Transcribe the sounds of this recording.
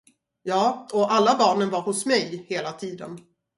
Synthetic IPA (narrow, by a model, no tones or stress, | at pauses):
jɑːɔʔalːabɑːɳənvaɾhʊsmɛjheːlat̪ʰiːd̪ə̰n